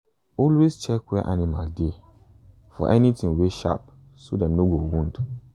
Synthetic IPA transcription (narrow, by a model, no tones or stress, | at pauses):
ɔlwest͡ʃɛkwɛʔanima̰lde | fɔ̰ʔɛnitĩŋweʃa̰p̚ | sodɛ̃mnoɡowũnd